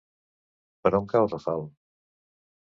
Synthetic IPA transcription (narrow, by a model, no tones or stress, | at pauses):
pəɾɔŋkalzəfalˠ